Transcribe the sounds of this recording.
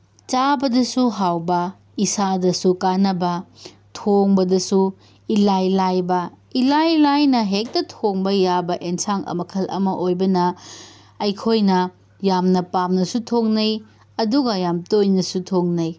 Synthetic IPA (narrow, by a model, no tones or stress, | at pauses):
t͡ʃabɐdɐsuɦawbɐ | isadɐsukanɐbɐ | tʰoŋbɐdɐsu | ilajlajbɐ | ilajlajnɐɦek̚tɐtʰoŋbɐjabɐʔensaŋɐ̰mɐkʰɐlʔɐ̰mɐʔojbɐnɐ | ɐjkʰojnɐ | jamnɐpamnɐsutʰoŋnɐj | ɐduɡɐjamtojnɐsutʰoŋnɐj